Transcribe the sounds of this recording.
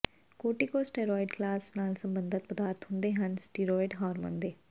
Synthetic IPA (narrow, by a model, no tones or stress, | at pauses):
koːʈiːkoːsʈeːɾɔːɪɖklaːsnaːlsəmbənd̪ʱət̪̚pəd̪aːɾt̪ɦʊ̃nd̪eɦənsʈiːɾoːɪɖɦɔːɾmə̰ːnd̪eː